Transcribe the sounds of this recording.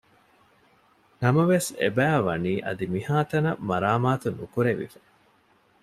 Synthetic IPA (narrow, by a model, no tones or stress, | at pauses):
nɐmɐʋesḛbæːʋɐniːʔɐ̰d̪imihaːt̪ɐnɐmɐɾaːmaːt̪unukuɾeʋḭfɐ̥